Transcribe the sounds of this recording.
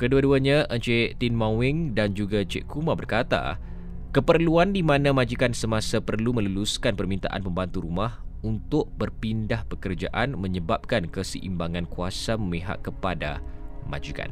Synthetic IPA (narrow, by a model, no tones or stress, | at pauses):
kəduaduaɲãʔət͡ʃet̪inmãwɪŋdand͡ʒuɡat͡ʃeʔkumãbərkat̪a̰ | kəpərluandimãnãmãd͡ʒikansəmãsapərlumə̃ləluskanpərmint̪a̰ʔa̰npəmbant̪uɾumahunt̪ʊʔbərpindahpəkərd͡ʒaʔanmə̃ɲəbap̚kankəsə̰ʔḭmbaŋãnkuasaməmẽɦa̰ʔkːəpada̰mã̰d͡ʒika̰n